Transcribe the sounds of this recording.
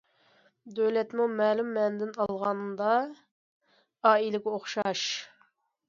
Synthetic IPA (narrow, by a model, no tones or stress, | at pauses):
d̪øwlɛt̪mumɛːlumːɛnd̪ɪnɑlˠʁɑnɨd̪ɑ | ɑːilɪkʲoχʃɑʃ